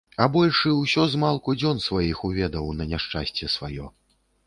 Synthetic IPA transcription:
abɔlʲʂɨwsʲɔzmalˠkud͡zʲɔnsvajixuvʲɛd̪ɐwnɐnʲaʂt͡ʂa̰sʲt͡sʲɛsvajɔ̰

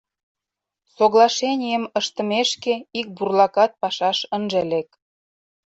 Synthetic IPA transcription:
soɣlˠɑʃenʲijəməʃt̪ə̆meʃkeik̚burlɑkɑt̪̚pɑʃɑʃənʒĕlek̚

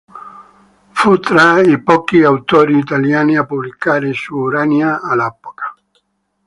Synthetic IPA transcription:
fut̪ɾaipɔkiawt̪oɾiːt̪aljaniapuβlikaɾesuːɾaniaːlɛpokḁ

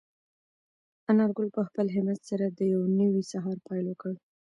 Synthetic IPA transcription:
anɑɾɡʊlpəxpəlɦɪmazt̪saɾad̪əjawnəwisaɦɑɾpɑjlwəkəɽ

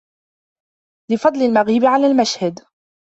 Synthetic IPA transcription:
lɪfɑd̪ˤlɪlmaɣiːbʕalaːlmaʃhad̪

